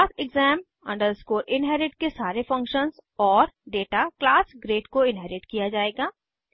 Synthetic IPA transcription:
aːsɛɡzɛːm | ɐ̰̃ɳɖəɾskoːɾʔɪ̃nɦɛːɾɪʈkesaːɾefɐ̃ŋkʃənzɔːɾɖeːʈaklaːsɡɾeːʈkoɪ̃nɦɛːɾɪʈkijad͡ʒaːeːɡaː

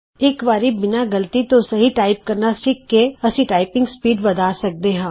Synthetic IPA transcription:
eːkʋaːɾibɪnaɡɐlt̪it̪osɐɦiʈaːɪp̚kɐɾnasɪkːeɐsĩʈaːɪpɪ̃ŋɡspiːɖʋɐd̪ʱaːsɐk̚d̪eɦãː

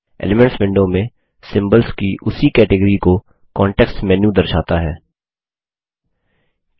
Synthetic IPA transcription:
ḛːlɪmɛ̃ɳʈsʋɪ̃ɳɖõmẽ | sɪ̃mbəlzkiʔʊsikɛːʈɪɡəɾiko | kɔːɳʈɛksmɛːnjũd̪ɐɾʃaːt̪aɦɛː

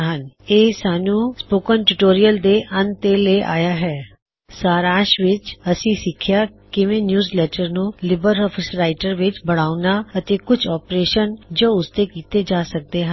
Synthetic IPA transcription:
ɦəneːsaːnũːspoːkənʈuʈoːɾijəld̪eːʔənt̪eleːʔa̰ːjaːɦɛː | saːɾãːʃʋɪt͡ʃəsĩːsɪkʰjaː | kɪʋẽːnjuːzleːʈəɾnũːlɪbəɾɔːpʰɪsɾaːɪʈəɾʋɪt͡ʃbəɽ̃aːʊnaːət̪eːkʊt͡ʃʰɔːpɾeːʃənd͡ʒoːʊst̪eːkiːt̪eːd͡ʒaːsək̚d̪eːɦən

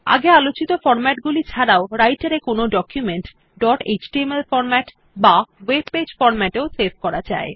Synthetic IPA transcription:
a̰ɡealot͡ɕit̪ofɔɾmɛʈɡulit͡ɕʰaɾaoɾajʈaɾekonoɖɔkjumeɳʈ | ɖɔʈḛt͡ɕʈiemelfɔɾmɛʈ | bawebped͡ʑfɔɾmɛʈeoseɾbʱkɔɾad͡ʑa̰e

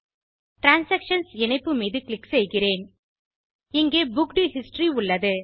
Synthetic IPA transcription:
ʈɾaːnsɐkʂɐnsɛnɐɪpːɯmiːðɯklɪksɛjɣɪreːn | ɪŋɡeːbʊkɖihɪsʈriʊɭːɐðɯ

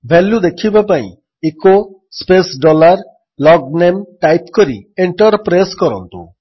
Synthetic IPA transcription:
bʱɛljud̪ekʰibapaḭ̃ | eko | spesɖɔlaɾ | lɔɡnemʈajpkoɾḭeɳʈɔɾpɾaskɔɾɔ̰nt̪ṵ

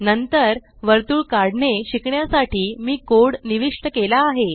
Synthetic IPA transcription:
nənt̪əɾ | ʋəɾt̪uːɭkaɽneɕikɳjasaʈʰiːmiːkoɽniʋiʂʈəkelaːɦe

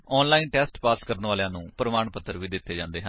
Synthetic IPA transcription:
ɔːnlaːiːnʈɛːsʈpaːskəɾənʋaːlejãːnũːpɾəmaːɳpət̪ʰːəɾʋiːd̪ɪt̪ːeːd͡ʒãːnd̪eːɦən

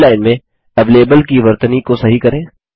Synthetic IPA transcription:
laːɪnmẽ | ɛʋleːbəlkiʋɐɾt̪ənikosɐɦikɐɾẽː

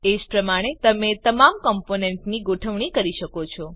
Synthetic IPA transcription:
ed͡ʒpɾəmaɽ̃et̪əmet̪əmamkɔmponeɳʈniɡoʈʰəʋɳ̃ikəɾiʃəkot͡ʃʰɔ

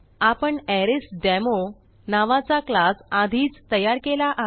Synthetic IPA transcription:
apəɳɛɾisɖɛmo | naʋat͡saklasad̪ʱiːt͡st̪əjaɾkelaʔa

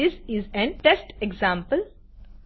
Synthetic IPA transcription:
ɪsɪzɛ̃nʈesʈeɡzãːmpəl

